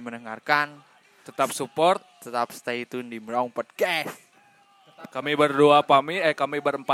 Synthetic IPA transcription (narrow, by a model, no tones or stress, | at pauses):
mənəŋarkan | t̪ət̪ap̚supɔrt̪̚ː | ət̪ap̚st̪ait̪undimɾaŋpɔd̚kɛs | kamibərdoapamiɛkamibəɾəmpa